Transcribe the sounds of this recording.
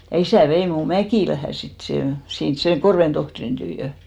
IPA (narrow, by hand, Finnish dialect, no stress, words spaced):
jɑ isæˑ ʋei muˑ mækiˑlæhæ sit seˑ sins seŋ korʋen tohtrin tyːjø